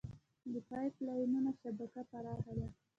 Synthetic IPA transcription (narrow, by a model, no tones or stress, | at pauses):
d̪əpɑjplɑjununaʃabakapaɾɑxad̪a